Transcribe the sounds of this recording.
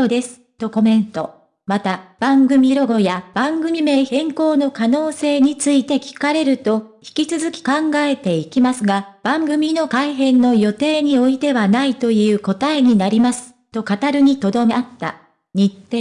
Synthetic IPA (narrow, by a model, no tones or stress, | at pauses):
od̪e̞sɨ̥t̪o̞ko̞mẽ̞nt̪o̞ | mat̪ab̥ãŋɡɯ̟mʲiɾo̞ɡo̞jab̥ãŋɡɯ̟mʲime̞ːhẽ̞ŋko̞ːno̞kano̞ːse̞ːɲ̟it͡sɨit̪e̞kʲi̥kaɾe̞ɾɯ̟t̪o̞çi̥kʲit͡sɨzɨkʲi̥kãŋɡae̞t̪e̞ikʲimasɨɡab̥ãŋɡɯ̟mʲino̞kaiɦẽ̞nːo̞jo̞t̪e̞ːɲ̟io̞it̪e̞βanait̪o̞jɯ̟ːko̞t̪aeɲ̟inaɾʲimasɨ̥ | t̪o̞kat̪aɾɯ̟ɲ̟it̪o̞d̪o̞mat̪ːa̰ | ɲ̟it̪ːe